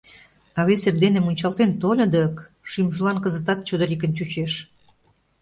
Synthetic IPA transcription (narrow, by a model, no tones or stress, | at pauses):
ɑβeserd̪enemunʲt͡ɕɑlt̪ent̪olʲɤ̆d̪ə̆k | ʃymʒəlɑnkə̆zə̆t̪ɑt̪̚t͡ɕod̪ə̆ɾʲik̬ə̆nt͡ɕut͡ɕeʃ